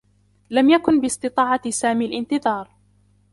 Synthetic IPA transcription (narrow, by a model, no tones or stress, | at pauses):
lamjakʊnbɪsˤt̪ɨt̪ˤɑːʕɑsaːmialʔɪnt̪ɨðˤɑːɾˤ